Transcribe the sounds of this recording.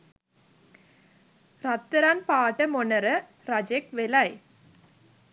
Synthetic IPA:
ɾɐt̪ːɐɾaːnpaːʈːɐmɔnɐɾɐ | ɾɐd͡ʒekʋelaj

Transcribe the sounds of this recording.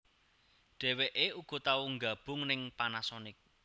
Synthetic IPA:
ɖ̥ɛ̤weʔeuɡ̥ɔ̤t̪auŋɡa̤b̥ʊ̤ŋnɪŋpanasɔnɪk̚

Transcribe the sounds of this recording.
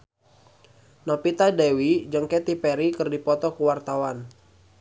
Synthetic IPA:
nɔpit̪adewid͡ʒəŋkɛt̪ipɛɾikɨrdipɔt̪ɔkəwart̪awan

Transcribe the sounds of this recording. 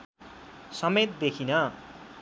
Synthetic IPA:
sʌmet̪̚d̪ekʰinʌ

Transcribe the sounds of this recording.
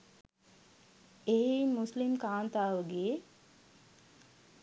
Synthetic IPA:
eɦimuslimkaːnt̪aːʋəɡe

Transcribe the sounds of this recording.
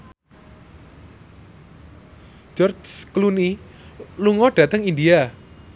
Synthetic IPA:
d͡ʒɔrd͡ʒskluni | luŋɔɖ̥a̤t̪əŋindia

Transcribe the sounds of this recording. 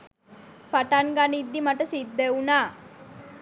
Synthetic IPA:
paʈanɡanid̪ːimaʈəsid̪ːeunaː

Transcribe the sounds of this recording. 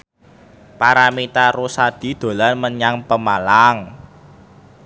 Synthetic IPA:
paɾamit̪aɾosad̪̥i̤d̪̥o̤lanməɲaŋpəmalaŋ

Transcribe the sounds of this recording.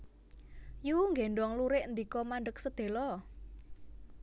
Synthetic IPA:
juŋɡeɳɖɔŋluɾɪʔnd̪ikɔmaɳɖək̚səd̪̥e̤lɔ

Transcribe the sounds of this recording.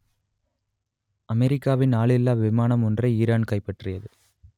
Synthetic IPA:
ɐmɛɾɪkːaːʋɪnaːɭɪlːaːʋɪmaːnɐmɔndrɐɪiːɾaːnkɐɪpːɐʈrɪjɐðɯ

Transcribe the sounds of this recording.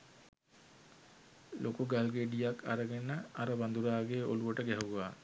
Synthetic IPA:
lʔokuɡalɡeɖijakʰːa̰ɾəɡenəaɾəʋand̪uɾaːɡeʔo̰luʋəʈəɡɛɦuʋaː

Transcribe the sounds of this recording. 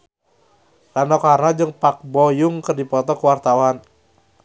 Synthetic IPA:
ranɔkarnad͡ʒɨŋpak̚bɔjʊŋkərdipɔt̪ɔkəwart̪awan

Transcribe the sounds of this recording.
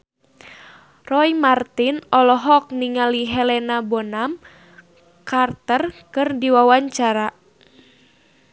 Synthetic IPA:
rɔimart̪inɔlɔɦɔk̚niŋaliɦɛlɛnabonam | kart̪ərkɨrdiwawaɲt͡ʃaɾa

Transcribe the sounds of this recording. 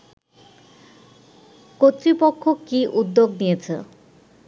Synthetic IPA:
kot̪ːɾipokʰːokiʔud̪ːoɡnijet͡ɕʰḛ

